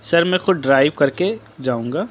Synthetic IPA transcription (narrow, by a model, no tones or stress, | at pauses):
sɐɾmɛ̃xʊd̪̚ɖɾaːɪʋkɐɾke | d͡ʒaːũːŋɡaː